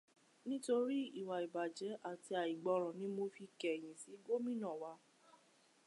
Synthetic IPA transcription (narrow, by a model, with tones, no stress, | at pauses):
nĩ˦to˧ɾi˦i˨wa˨i˨ba˨d͡ʒɛ˨˦ʔa˦˨ti˧a˨i˨ɡ͡bɔ˧ɾ̃ɔ̃˨nĩ˨˦mo˧fi˧kɛ˨j̃ĩ˨si˨˦ɡo˦mĩ˦nã˦˨wa˧˦